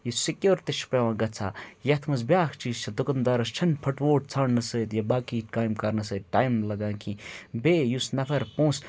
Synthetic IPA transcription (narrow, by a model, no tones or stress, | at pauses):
jisikjoːɾt̪iʃʰpeʋãːɡɐt͡sʰa̰ːjɐt̪ʰmɐzbjaːkʰt͡ʃiːst͡ʃʰɐd̪ʊkɐnd̪aɾɐst͡ʃʰɐnpʰɐʈʋoːʈ̚t͡sʰaːɳnɐsəːt̪jɐbaːkiːkaːjmkɐɾnɐsəːt̪̚ʈaːjmlɐɡãːkʰĩːbeːjusnɐfʰɐɾpõːs